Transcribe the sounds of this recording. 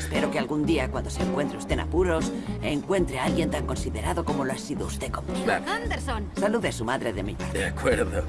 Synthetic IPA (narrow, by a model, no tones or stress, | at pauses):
espe̞ɾo̞kealɣund̪iakwand̪o̞seŋkwe̞nt̪ɾeust̪e̞na̰puɾo̞seŋkwe̞nt̪ɾealɣje̞nt̪aŋko̞nsiðe̞ɾaðo̞ko̞moloasiðoust̪e̞kompeaand̪eɾsonsaluðesumaðɾeðemiʎad̪eakweɾðo